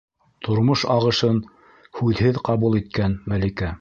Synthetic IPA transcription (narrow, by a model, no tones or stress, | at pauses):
t̪ʰŏɾmoʃɑʁɤ̆ʃɤn | hʉðhɘðqɑβulˠit̪̚kænmælikæ